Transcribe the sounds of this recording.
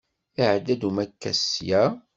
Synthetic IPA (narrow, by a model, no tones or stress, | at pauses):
ɪʕd̪ːæd̪umækːæ̰sjæ